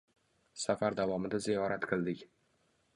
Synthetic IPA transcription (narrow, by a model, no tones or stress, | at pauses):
safaɾd̪avɒmɪd̪azijɒɾat̪qʰɨlˠd̪ɪkʲ